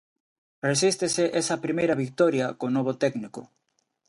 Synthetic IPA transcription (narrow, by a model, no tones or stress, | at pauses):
res̬ist̪eseʔesɐpɾimejɾɐβik̚t̪ɔɾjɐkonoβ̞ot̪ɛɡnikʊ̰